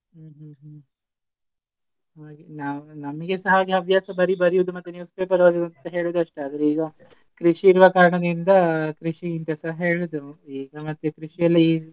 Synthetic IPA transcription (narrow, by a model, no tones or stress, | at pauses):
ɦɦ | ɦaːɡinaːʋnɐmɐɡesɐɦaːɡiɐʋjaːsɐbɐɾibɐɾijuʋd̪umɐt̪ːunjuːspeːpɐɾoːd͡ʒɐd̪ɐnt̪ɐɦeːɭud̪uɐʂʈeaːd̪ɐɾeiːɡɐ | kɾiʂiːɾuʋɐkaːɾɐɳɐd̪ind̪ɐkɾiʂiːnt̪ɐsɐɦɐɦe̞ːɭud̪uiːɡɐmɐt̪ːjukɾiʂijɐlːi